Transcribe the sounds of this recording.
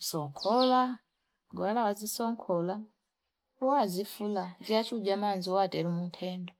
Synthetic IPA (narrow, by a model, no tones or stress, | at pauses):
sɔŋkʰɔla | ɡwalawazisɔŋkʰɔla | ɔwazifulaziat͡ʃʰud͡ʒamanziɔatɛɾumuntʰɛːndɔ